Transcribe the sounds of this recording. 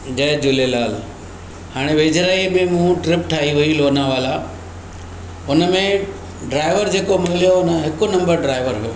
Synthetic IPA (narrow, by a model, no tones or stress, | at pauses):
d͡ʑɐɦd͡ʑʊlelaːl | haːɽ̃eʋeːd͡ʑɾaːimẽmũʈɾɪpʈʰaːɦiʋʊiloːnaʋaːla | ʊnəmẽ | ɖɾaːɪʋəɾd͡ʑeːkomɪlijoʊnəɦɪkonɐ̃mbəɾɖɾaːɪʋəɾɦʊjoː